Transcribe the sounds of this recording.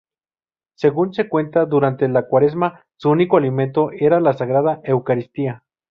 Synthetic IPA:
se̞ɣunse̞kwe̞nt̪aðuɾant̪elakwaɾe̞zma | suunikoalimẽnt̪oʔeɾalasaɣɾaðaʔe̞wkaɾist̪ia

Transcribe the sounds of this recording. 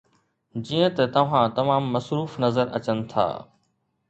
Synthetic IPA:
d͡ʑiːə̃t̪ɐt̪ɐʋ̤ãt̪ɐmaːmːɐsɾuːfnɐzəɾɐ̰t͡ɕənɪ̆t̪ʰa̰ː

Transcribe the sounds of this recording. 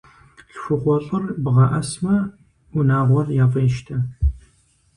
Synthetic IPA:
ɬxʷʊχʷɔɕʼɨrbʁɐʔɐsmɐ | unaːʁʷɔrjaːfʼeːʃtʰɐ

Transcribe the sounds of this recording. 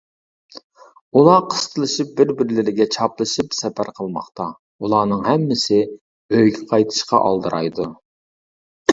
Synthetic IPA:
ulˠɑqʰə̥st̪ʰəlˠɨʃɨp̚bɪɾbɪɾlɪɾɪɡʲɛt͡ʃʰɑplˠɨʃɨpsɛpʰæɾqʰəlˠmɑ̰χt̪ɑ | ulˠɑːnɨŋɦɛmːɪsɪ | øjɡʲɛqʰɑjt̪ʰɨ̥ʃqɑ̰ʔɑ̰lˠd̪ɨɾʔɑ̰jd̪u

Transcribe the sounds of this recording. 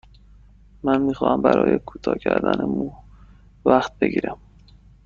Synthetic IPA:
mænmiːxɒːhæmbæɾɒ̰ːjekʰuːt̪ʰɒːcʰæɾd̪ænemu | væxt̪̚be̞ɟiːɾæm

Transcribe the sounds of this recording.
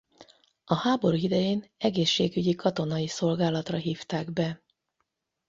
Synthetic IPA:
ɒhaːbo̞ɾuid̪ɛjeːnɛɡeːʃːeːɡyɟikɒt̪o̞nɒjiso̞lɡaːlɒt̪rɒɦiːft̪aːɡbɛ

